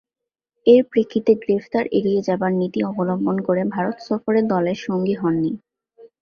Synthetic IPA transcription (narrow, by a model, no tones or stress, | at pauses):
eɾpɾikʰːit̪eɡɾeft̪aɾʔeɾied͡ʑabaɾnit̪iɔbolombonkoɾebʱaɾot̪sɔfoɾed̪ɔleɾʃoŋɡiɦɔnːi